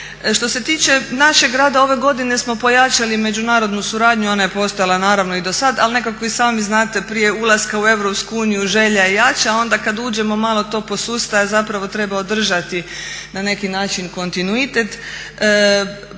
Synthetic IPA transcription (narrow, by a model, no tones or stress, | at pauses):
ʃt̪o̞se̞t̪iːt͡ɕe̞naʃe̞ɡɾaːd̪ao̞ʋe̞ɡo̞d̪ine̞smo̞po̞jat͡ʃalime̞d͡ʑunaːɾo̞d̪nusuɾaːd̪ɲuo̞naje̞po̞st̪ojalˠanaːɾaʋnoid̪o̞sad̪a̰lne̞kako̞isaːmiznaːt̪e̞pɾije̞ulˠaskaue̞ʋɾo̞pskuuːnijuʒe̞ʎajejat͡ʃao̞nd̪akad̪uːd͡ʑe̞mo̞maːlˠo̞t̪o̞ːpo̞suːst̪ajazapɾaʋo̞t̪ɾe̞bao̞d̪r̩ʒat̪inane̞kinaːt͡ʃinko̞nt̪inuit̪e̞t̪ | ə